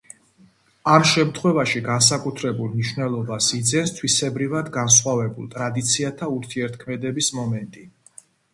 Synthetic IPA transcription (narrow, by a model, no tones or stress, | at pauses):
amʃɛmt̪ʰχwɛvaʃiɡans̬akʼut̪ʰɾɛbulˠmniʃwnɛlˠɔbasid̪zɛnst̪ʰwisɛbɾivad̪ɡans̬χwavɛbulˠt̪ʼɾad̪it̪sʰiat̪ʰauɾt̪ʰiɛɾt̪ʰkʰmɛd̪ɛbismɔmɛnt̪ʼi